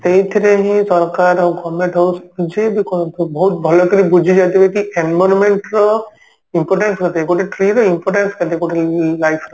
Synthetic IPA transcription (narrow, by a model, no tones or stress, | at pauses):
t̪eɦĩt̪ʰiɾeɦĩsɔɾkaɾɔɡɔmẽʈɦɔwsud͡ʒʱebikɔnt̪ʰubɔɦut̪̚bʱɔlɔkiɾibud͡ʒʱid͡ʒat̪ibekiʔenbɔɾmẽɳʈɾɔ | impɔɾʈenskɔt̪ːkoʈeʈɾiɾɔimpɔɾʈenskɔt̪ekoʈilajpʰɾɔ